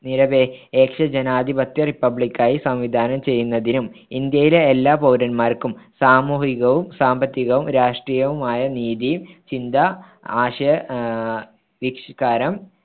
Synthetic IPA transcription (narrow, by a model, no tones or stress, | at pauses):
niɾɐbeeːkʂɐd͡ʑenaːd̪ibɐt̪jɐripːɐbɭikʲːaːjisɐmʋid̪ʱaːnɐmt͡ɕe̞jːunːɐðinumind̪jɐjileelːaːpɐwɾɐnmaːrkumsaːmuːɦiɣɐʋumsaːmbɐt̪ːiɣɐʋumɾaːʂʈriːjɐʋumaːjɐniːðit͡ɕind̪ɐ | aːɕɐ | ʋikʂkaːɾɐm